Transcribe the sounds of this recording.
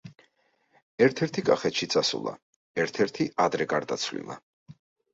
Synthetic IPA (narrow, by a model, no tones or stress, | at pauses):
ɛɾt̪ʰɛɾt̪ʰikʼaχɛt̪ʃit̪sʼasṵlˠa̰ | ɛɾt̪ʰɛɾt̪ʰiʔad̪ɾɛɡaɾd̪a̰t̪sʰvlḭlˠa̰